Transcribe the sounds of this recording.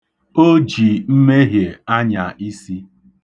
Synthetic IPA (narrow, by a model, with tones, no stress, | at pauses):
o˦d͡ʒi˨m̩˦me˦ɦje˨a˦ɲa˨ʔi˦si˦